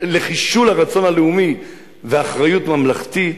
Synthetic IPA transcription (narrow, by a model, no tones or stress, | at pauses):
le̞χiʃulaʁat͡so̞nhaleumi | veaːχʁajut̪mamlaχt̪i